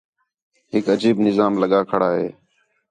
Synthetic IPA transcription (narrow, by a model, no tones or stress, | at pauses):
ɦɪkəd͡ʒiːbnɪzaːmləɠaːkʰəɽaːɦḛː